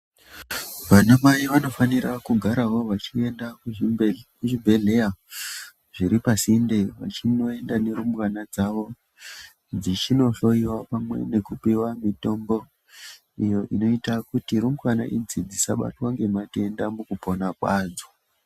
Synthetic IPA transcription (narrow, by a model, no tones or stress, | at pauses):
ʋanamaiʋano̞faniɾakuɡʱaɾawo̞ʋat͡ʃie̞ndakukuʐibʱe̞ɮe̞ja | ʐiɾipasindeʋa̰t͡ʃino̞e̞ndane̞ɾumkanad͡zaʋo̞ | d͡zit͡ʃino̞ɬo̞iwapamwe̞̰ne̞kupiwamito̞mbo̞ | ijo̞ʔino̞itakutiɾumkana̰ʔid͡zid͡zisa̰ɓa̰twaŋɡe̞matie̞ndamukupo̞nakwaːd͡za